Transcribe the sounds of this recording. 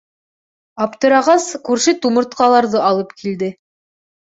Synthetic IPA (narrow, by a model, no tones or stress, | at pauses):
ɑpt̪ɤ̆ɾɑʁɑskʉɾʃɘt̪umɤ̆ɾt̪qɑlˠɑɾðɤʔɑlˠɤpkʰild̪ɘ